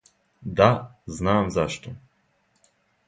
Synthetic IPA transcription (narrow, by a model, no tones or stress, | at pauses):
d̪aznaːmzaʃt̪o